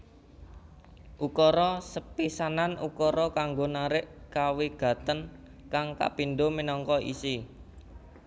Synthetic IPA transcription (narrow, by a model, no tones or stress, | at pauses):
ʔukɔɾɔsəpisananṵkɔɾɔkaŋɡonaɾɪʔkaweɡ̥ä̤t̪ən | kaŋka̰pinɖominɔŋkɔḭsi